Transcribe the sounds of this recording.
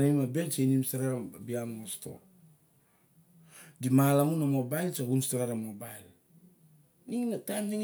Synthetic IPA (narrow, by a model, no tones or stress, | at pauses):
najmabent͡ʃainimstaɾabiammosto̞̰p | dimalaŋunamo̞bajlt͡ʃaɡunstaɾaɾamobajl | niŋnataniŋ